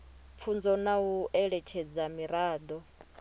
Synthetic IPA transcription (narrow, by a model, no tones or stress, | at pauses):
p̪fʰund͡zɔnauʔɛɺɛt͡ʃʰɛd͡zamiɾaːd̪ɔ